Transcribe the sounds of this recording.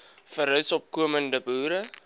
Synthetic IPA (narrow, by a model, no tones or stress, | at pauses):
fəɾɦœsɔp̚kuəməndəbuːɾə